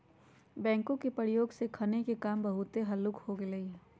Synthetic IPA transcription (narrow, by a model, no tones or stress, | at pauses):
bɛ̃ːŋkõkepəɾijoːɡsekʰɐnekekaːmbɐɦʊt̪eɦɐlʊkhoɡelɐiɦː